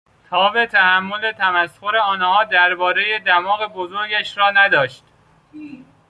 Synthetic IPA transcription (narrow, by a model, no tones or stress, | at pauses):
t̪ʰɒːbe̞t̪ʰæhæmːo̞le̞t̪ʰæmæsxoɾe̞ɒːnhɒːd̪æɾbɒːɾe̞jed̪æmɒːɣe̞bozo̞ɾɟæʃɾɒːnæd̪ɒːʃt̪